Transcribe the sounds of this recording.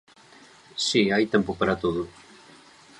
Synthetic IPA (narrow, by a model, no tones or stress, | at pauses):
siajt̪empʊpaɾat̪oðʊ